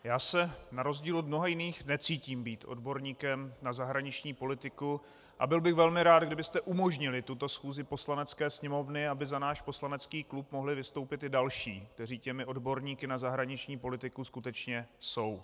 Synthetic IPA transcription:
jaːsɛnaɾo̞zɟiːlod̪̚mnoɦajɪniːxnɛt͡siːciːmbiːt̪ʔo̞̰dbo̞ɾɲiːkɛmnazaɦɾaɲɪt͡ʃɲiːpo̞lɪt̪ɪku | ʔa̰bɪlbɪxvɛlmɪɾaːd̪ɡdɪbɪst̪ɛʔumo̞ʒɲɪlɪt̪ut̪o̞sxuːzɪpo̞slanɛt͡skɛːsɲɛmo̞vnɪabɪzanaːʃpo̞slanɛt͡skiːklup̚mo̞ɦlɪvɪst̪o̞wpɪt̪ɪdalʃiːk̚t̪ɛr̝iːcɛmɪʔo̞dbo̞ɾɲiːkɪnazaɦɾaɲɪt͡ʃɲiːpo̞lɪt̪ɪkuskut̪ɛt͡ʃɲɛso̞w

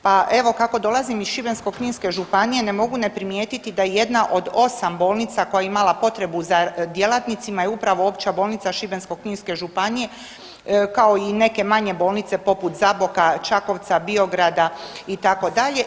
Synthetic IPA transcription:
paʔe̞ʋo̞kako̞d̪o̞lˠazimiz̥ʃibe̞nsko̞kɲiːnske̞ʒupanije̞ne̞mo̞ɡune̞pɾimje̞ːt̪it̪id̪ajeje̞d̪naʔo̞d̪o̞sambo̞ːlˠnit̪sako̞jaimalapo̞t̪ɾe̞buzad̪je̞lˠat̪nit̪simajeupɾaʋo̞o̞pt͡ɕabo̞ːlˠnit̪saʃibe̞nsko̞kɲiːnske̞ʒupanije̞ | kao̞ine̞ke̞maɲebo̞ːlˠnit̪se̞po̞put̪zabo̞kat͡ʃako̞ʋt̪sabio̞ɡɾad̪ait̪ako̞d̪aʎe̞

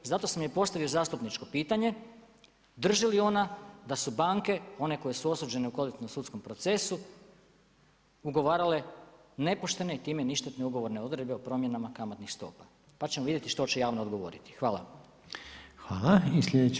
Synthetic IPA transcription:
zat̪o̞samjepo̞st̪aʋio̞zaːst̪upnit͡ʃko̞piːt̪aɲe̞ | d̪r̩ʒilio̞nad̪asubaːŋke̞o̞ne̞ko̞jesuo̞suːd͡ʒe̞neuko̞lit̪nomsut̪sko̞mpɾo̞t̪se̞su | uɡo̞ʋaːɾale̞ne̞poʃt̪e̞ne̞it̪iːmeniʃt̪et̪neuɡo̞ʋo̞ɾneo̞d̪ɾed̪beopɾo̞ːmjenamakamat̪nixst̪o̞̰ːpḁ | pat͡ɕe̞moʋid̪je̞t̪iʃt̪o̞t͡ɕejaːʋno̞ːd̪ɡo̞ʋo̞̰ɾit̪i̥xʋaːlˠa̰ | xʋaːlaislʎed̪e

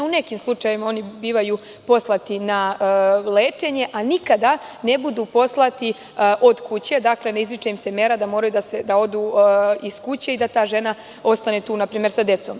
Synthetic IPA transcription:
une̞kimslˠut͡ʃajʋimao̞nibiːʋaju | po̞slat̪ina | leːt͡ʂe̞ɲe̞ʔanikad̪ane̞bud̪uːpo̞slˠat̪i | ʔo̞d̪kut͡ɕe̞d̪akle̞neizɾit͡ʃeimse̞me̞ɾad̪amo̞ːɾajud̪ased̪ao̞d̪uiskut͡ɕe̞id̪at̪aːʒe̞na | o̞st̪anet̪uːnapɾiːmjeɾsad̪e̞t̪so̞ːm

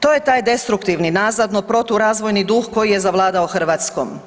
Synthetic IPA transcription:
t̪oːjet̪aːjd̪e̞st̪ɾukt̪iʋninaːzad̪nopɾo̞t̪uɾaːzʋojnid̪uxko̞jije̞zaʋlˠaːd̪aoxr̩ʋaːt̪sko̰m

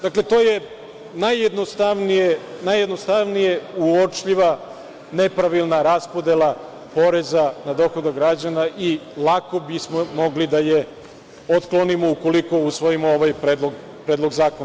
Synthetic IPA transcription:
d̪akle̞t̪o̞ːje̞ | najed̪nost̪aʋnijenajːed̪nost̪aʋnijeuot͡ʃʎiʋa | ne̞pɾaʋilˠnaɾaspo̞d̪elˠa | po̞ɾe̞zanad̪o̞xo̞d̪aɡɾad͡ʑanaʔilˠako̞bismomoɡlid̪aje | ot̪klˠonimo̞uko̞liko̞usʋo̞imooʋajpɾeːd̪loɡ | pɾed̪lˠo̞ɡzaːkona

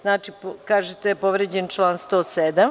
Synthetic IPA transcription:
znaːt͡ʃipkaːʒet̪epoʋɾed͡ʑent͡ʃlˠaːnst̪oːsed̪am

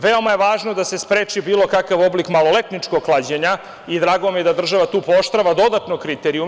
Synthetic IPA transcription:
ʋeo̞majeʋaːʒnod̪ase̞spɾeːt͡ʃibiːlˠo̞kakaʋo̞blikmalo̞let̪nit͡ʃkoɡklˠad͡ʑeɲa | id̪ɾaːɡo̞mijed̪ad̪r̩ʒaʋat̪uːpooʃt̪ɾaʋad̪o̞d̪at̪nokɾit̪eɾiu

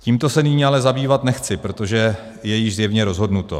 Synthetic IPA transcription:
ciːmt̪o̞sɛnɪɲiːalɛzabiːvat̪nɛxt͡sɪpɾo̞t̪o̞ʒɛ | jɛjɪʒzjɛvɲɛɾo̞zɦo̞dnut̪o̞̰

